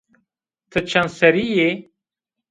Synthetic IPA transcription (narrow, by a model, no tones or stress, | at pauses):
t̪ʰət͡ʃʰansɐɾije